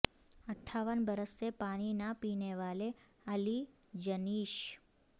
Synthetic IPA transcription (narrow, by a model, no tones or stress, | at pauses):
əʈʰːaʋənbəɾəsepaɽ̃inapineʋale | əli | d͡ʒəniʃ